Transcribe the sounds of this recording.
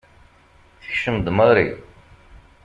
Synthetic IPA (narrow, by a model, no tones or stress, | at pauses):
θə̥çʃəmd̪ˤməɾḭ